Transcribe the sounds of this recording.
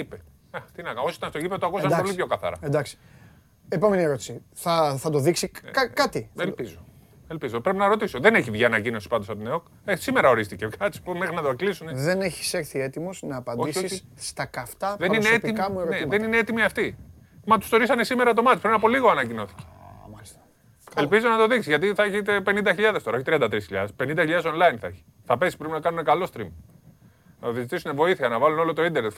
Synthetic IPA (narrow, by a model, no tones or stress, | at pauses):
ipe | ɐt̪inɐkosoit̪ɐnst̪oʝipet̪okusɐnpolipço̞kɐθɐ̰ɾɐ̰end̪ɐksi̥ | epo̞me̞nie̞ɾo̞t̪i̥si | θɐθɐt̪o̞ðiksikɐkɐt̪ielpizo | elpizo̞pɾepinɐɾo̞t̪iso̞ðeneçivʝɐːnɐcino̞si̥pɐnd̪osɐp̚t̪ineok | esime̞ɾɐo̞ɾist̪icekɐsi̥pomexɾinɐt̪oaklisuneðe̞ne̞çi̥se̞ɾθie̞t̪imo̞znɐːpɐnoisisst̪ɐkɐft̪ɐðe̞ɾnieetp̪iɐmueɣoneðe̞nineet̪imiɐft̪i | mɐt̪u̥st̪o̞ɾisɐne̞sime̞ɾɐt̪o̞mɐt̪i̥pɾinɐpo̞liɣoɐnɐcino̞θi̥ce̥sɐ | elpizo̞nɐt̪o̞ðiksizʝɐt̪̬iθɐeçit̪epe̞nind̪ɐçiʎɐðest̪oɐo̞çit̪ɾiɐnd̪ɐt̪ɾisçiʎɐ̰ðespe̞nind̪ɐçiʎɐðe̞so̞nlɐinθɐeçi̥ | θɐpe̞si̥pɾepinɐkɐnunekɐlo̞st̪ɾim | nɐoðezit̪isunevo̞iθiɐnɐvɐluno̞lo̞t̪o̞ind̪enet̪